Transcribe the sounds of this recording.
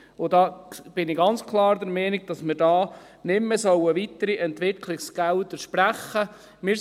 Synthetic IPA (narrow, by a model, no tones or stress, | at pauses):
ʊdɑːb̥ɪnɪɡɑnt͡skʰlˠɑːɾd̪ɛɾmɛːnɪɡ̚d̥ɑsmɪɾdɑː | nɪmːɛsœwəʋit̪əɾiʔɛntʋɪkʰlɪksɡ̥ælt̪əʃpɾæχːə | mɪ